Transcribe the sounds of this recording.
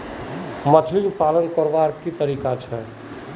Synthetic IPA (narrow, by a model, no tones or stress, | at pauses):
mət̪ʰlilpaːlənkɔɾʋaɾkit̪əɾiːkat͡ʃʰɛ